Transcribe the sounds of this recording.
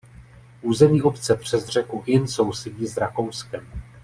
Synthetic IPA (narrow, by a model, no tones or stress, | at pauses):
ʔuːzɛmɲiːʔo̞pt͡sɛpr̝̥ɛzr̝ɛkuʔɪnso̞wsɛɟiːzɾako̞wskɛm